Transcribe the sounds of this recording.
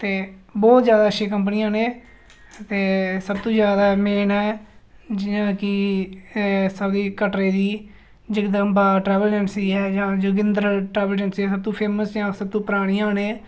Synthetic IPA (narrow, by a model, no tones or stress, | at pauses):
t̪eːbɔːt̪zjaːd̪aːʃẽːkəmp̬niːãːnẽː | t̪eːsəbt̪õːzjaːd̪aːmeːnɦɛː | d͡ʒɪjãːkɪ | səbd̪iːkəʈɾeːd̪iː | d͡ʒɪkd̪əmbaːʈɾɛːʋəld͡ʒɛnsiːɛːd͡ʒãːd͡ʒəɡɪ̃nd̪əɾʈɾɛːbəld͡ʒənsiːɛːsəb̚t̪õːpʰeːməsd͡ʒãːsəb̚t̪õːpəɾaːɽ̃iːaːneː